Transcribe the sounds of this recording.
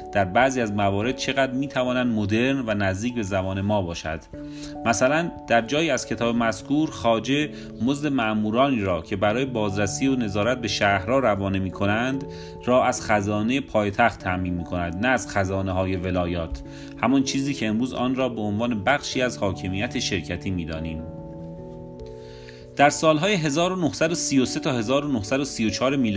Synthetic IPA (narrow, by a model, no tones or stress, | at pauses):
d̪̥æɾbæʔziːæzmævɒːɾe̞d̪̥̚t͡ʃʰe̞ɣæd̪ɾmiːt̪ʰævɒːnænd̪mo̞d̪e̞ɾnvænæzd̪iːcbe̞zæbɒːne̞mɒːbɒːʃæ̰d̪̥ | mæsælænd̪̥æɾd͡ʒɒːjiːæz̥cʰe̞t̪ʰɒːbemæskʰuːɾxɒːd͡ʒe̞ | mozd̪e̞mæʔmuːɾɒːniːɾɒːcʰe̞bæɾɒːjebɒːzɾæsiːone̞zɒːɾæt̪̚be̞ʃæhɾɒːɾævɒːnemiːkʰo̞nænd̪ | ɾɒːʔæz̥xæzɒːnejepʰɒːjet̪ʰæxt̪ʰːæʔmiːnmiːkʰo̞næd̪næːz̥xæzɒːneɦɒːje̞ve̞lɒːjɒːt̪ʰ | hæmɒnt͡ʃʰiːziːcʰeemɾuːzɒ̰ːnɾɒːbe̞onvɒːne̞bæxʃiːæzhɒːcʰe̞miːjæt̪ʰe̞ʃe̞ɾcʰæt̪ʰiːmiːd̪ɒ̰ːniːm | d̪̥æɾsɒːlɦɒːjeɦe̞zɒːɾonohsæd̪osiːjo̞se̞t̪ʰɒːhe̞zɒːɾo̞nohsæd̪osiːjot͡ʃʰɒːɾemiːl